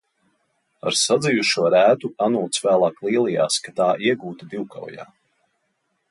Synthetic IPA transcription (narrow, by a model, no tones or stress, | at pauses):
a̰ɾsad̪zijuʃuɔɾæːt̪uanulˠt̪svæːlˠɑːklˠiɛlˠija̰ːskat̪aːʔiɛɡuːt̪d̪iwka̰wja̰ː